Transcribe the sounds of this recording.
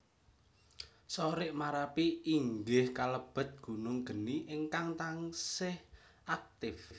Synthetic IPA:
soɾɪʔmaɾapiːŋɡɪhkaləb̥ə̤t̪̚ɡ̥ṳnʊŋɡ̥ə̤niʔɪŋkaŋt̪aŋsɪh | ak̚t̪ɪf

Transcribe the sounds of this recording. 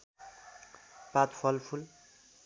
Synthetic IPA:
pat̪fʰʌlpʰul

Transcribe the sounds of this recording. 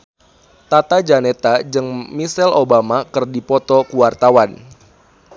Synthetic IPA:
t̪at̪ad͡ʒanet̪ad͡ʒɨŋmisɛlobamakɨrdipɔt̪ɔkuwart̪awan

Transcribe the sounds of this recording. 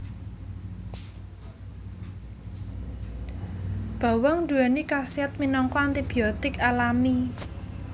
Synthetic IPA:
b̥a̤wɔŋd̪uanikasiɛt̪̚minɔŋkɔant̪ib̥iɔt̪ɪkalami

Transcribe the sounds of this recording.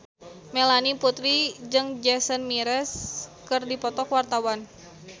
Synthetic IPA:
melaniput̪ɾid͡ʒɨŋd͡ʒɛsənmiɾɛskɨrdipɔt̪ɔkwart̪awan

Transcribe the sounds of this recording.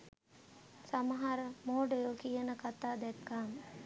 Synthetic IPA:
saməɦaɾəmoːɖəjokijənəkat̪aːd̪ɛt̪kaːm

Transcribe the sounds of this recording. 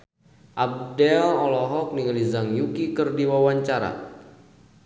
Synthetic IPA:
ʔab̚dɛlɔlɔɦɔk̚niŋəlizaŋjukikərdiwawaɲt͡ʃaɾa̰

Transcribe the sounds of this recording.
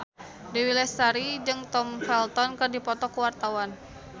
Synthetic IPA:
diwilɛsaɾid͡ʒɨŋt̪ɔmfɛlt̪ɔnkɨrdipɔt̪ɔkuwart̪awan

